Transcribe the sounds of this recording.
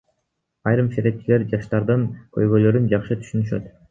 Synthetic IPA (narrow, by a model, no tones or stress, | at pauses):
ɑjɾɯmʃeɾe̞p̚t͡ʃile̞ɾd͡ʒɑʃt̪ɑɾd̪ɯŋkʰø̰jɡølø̞ɾynd͡ʒɑqʃɯt̪ʰy̥ʃynyʃø̞̰t̪